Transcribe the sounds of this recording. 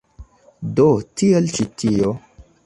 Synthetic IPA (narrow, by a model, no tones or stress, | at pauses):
dotielt͡ʃitio